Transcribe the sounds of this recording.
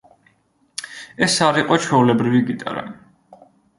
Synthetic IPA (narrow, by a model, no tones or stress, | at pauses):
ɛsaɾiqʼɔt͡ʃʰwɛulɛbɾiviɡit̪ʼa̰ɾa̰